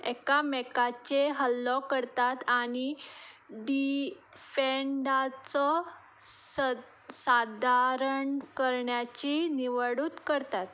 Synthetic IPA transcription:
ɛkamɛkat͡ɕeɦəlːɔkəɾt̪at̪ani | ɖi | feɳɖat͡sɔ | sad̪ʱaɾəɳkəɾɳjat͡ɕiniʋəɽuːt̪kəɾt̪at̪

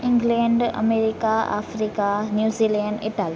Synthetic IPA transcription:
ɪ̃ŋɡlẽɳɖɐ̰meːɾikaa̰ːfɾikanjuːziːlẽɳɖɪ̰ʈaːli

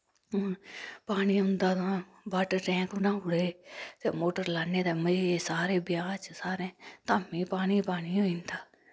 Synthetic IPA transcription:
paːniːʊ̃nd̪aːt̪ã | baːʈəʈɛ̃ːŋknãːʊɽeːt̪eːmoːʈəɾlaːneːd̪aːməiːeːsaːɾẽːbɪjaːt͡ʃsaːɾẽːt̪aːmẽːpaːniːpaːniːoːĩːnd̪aː

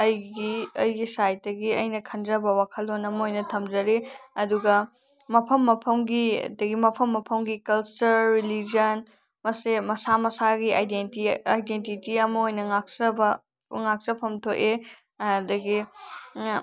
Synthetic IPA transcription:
ɐjɡiɐjɡisajt̚dɐɡiɐjnɐkʰɐndɾɐbɐwakʰɐlonɐmɐojnɐtʰɐmd͡ʒɐɾiɐduɡɐ | mɐpʰɐmːɐpʰɐmɡḭdɐɡimɐpʰɐmːɐpʰɐmɡikɐlt͡ʃuɾːilid͡ʒɐn | mɐsemɐsamɐsaɡiʔajdentiajdentitiɐmɐojnɐŋak̚sɐbɐ | ŋak̚sɐpʰɐmtʰoʔe | dɐɡi

